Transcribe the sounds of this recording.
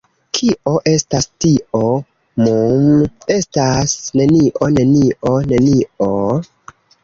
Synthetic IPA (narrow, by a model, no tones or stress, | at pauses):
kʰiʔo̞ʔe̞stastiʔo | mume̞stasne̞niʔone̞niʔone̞nio